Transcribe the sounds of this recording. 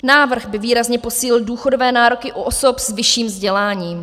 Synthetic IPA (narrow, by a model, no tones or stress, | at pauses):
naːvr̩ɣbɪviːɾazɲɛpo̞siːlɪlduːxodovɛːnaːɾokɪʔuʔoso̞pzvɪʃiːmzɟɛlaːɲiːm